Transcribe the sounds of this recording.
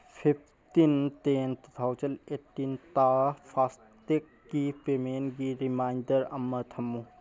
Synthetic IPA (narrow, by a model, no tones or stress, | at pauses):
pʰip̚ʰ | t̪int̪eːnt̪t̪ʰawt͡ʃəneːʈːint̪aːpʰaːs | t̪ekːipeːmeːnɡiɾimaːɪnɖəɾɐmːət̪ʰɐmːu